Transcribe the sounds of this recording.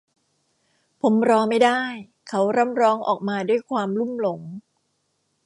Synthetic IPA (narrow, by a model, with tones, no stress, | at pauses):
pʰo˩˦mɾɔː˧ma˥˩jdaː˥˩j | kʰa˦˥wɾa˦˥˩mɾɔː˦˥ŋʔɔ̰ː˨˩k̚maː˧du˥˩əjkʰwaː˧mlu˥˩mlo˩˦ŋ